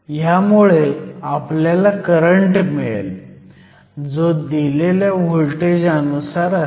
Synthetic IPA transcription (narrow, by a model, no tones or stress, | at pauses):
jamuɭeapljalakəɾəɳʈmiɭ̰l | d͡zod̪ileljaʋoɭʈed͡ʑanusaɾa